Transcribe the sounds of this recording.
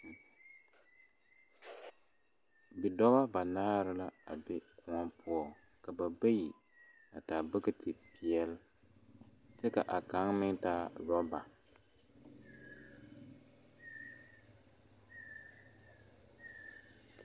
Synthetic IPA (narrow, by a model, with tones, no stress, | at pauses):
bi˨dɔ˦ɣa˦ba˨naː˦ɾɪ˦la˦a˨be˦ku˦ŋɔ˦pʊ˦ɔ˨ | ka˨ba˨be˦ji˨ | a˨taː˨bɨ˦kɨ˦ti˨pi˨ɛ˦l | tɛ˦ka˨ʔa˨ka˨˦ŋmɪ˦taː˦lɔ˦ba˨